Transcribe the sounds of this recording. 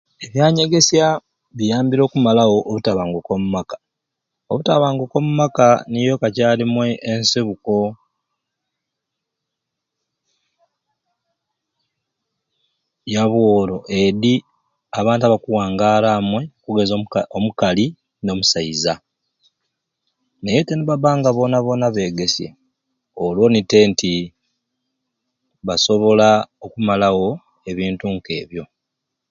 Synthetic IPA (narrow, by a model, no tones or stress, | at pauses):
e̞βjaːɲe̞ɡe̞sja | βijaːmbiɾo̞ːkumalawo̞ʔːβutaβaːŋɡoko̞mumakḁ | o̰βutaβaːŋɡoko̞mumakanijo̞kacaːlimwe̞ʔːnseβuko̞ | jaβwo̞ːlo̞ʔe̞ði | aβaːntaβakuwaːŋɡaːlaːmwe̞okuɡe̞zoomukali | no̞ːmusaiza | nejeteniβaβaːŋɡaβo̞naβo̞naβe̞ːɡe̞sje̞̰ | olwo̞nite̞ntʰi | βaso̞βo̞laokumalaɣo̞ | e̞βiːntuŋke̞̰ːβjo̞